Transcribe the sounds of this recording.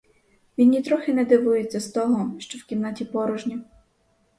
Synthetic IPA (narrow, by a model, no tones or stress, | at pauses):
ʋʲinʲːit̪ɾɔxɪnɛd̪ɪʋujet͡sʲːɐst̪ɔɦɔʃt͡ʃɔwkʲiwnɑtʲipɔɾʊʒnʲi